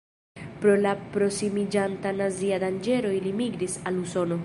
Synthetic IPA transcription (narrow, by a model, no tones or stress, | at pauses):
pɾo̞lapɾo̞simid͡ʒantanaziadand͡ʒe̞ɾo̞ilimiɡɾisaluso̞no̞